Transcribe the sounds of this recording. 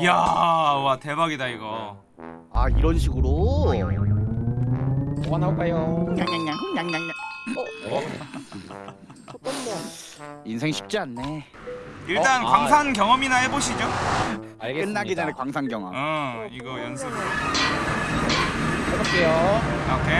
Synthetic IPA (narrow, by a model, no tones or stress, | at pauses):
jawate̞baɡidaiɡʌ | aiɾʌnɕ̬ʰiɡɯɾo | oanakajoɲaŋɲaŋɲaŋɲaŋɲaŋɲa | ʌ | insʰeŋɕʰi̥p̚t͡ɕ͈ianːe̞ | iɭt͈ankwaŋsʰaŋkjʌŋʌminaɦe̞boɕ̬ʰid͡ʑo | ak͈ɯnːaɡid͡ʑanekwaŋsʰaŋɡjʌŋʌ̰mɯiɡʌjʌnsʰɯbɯ | ʌbak͈ʰejookʰe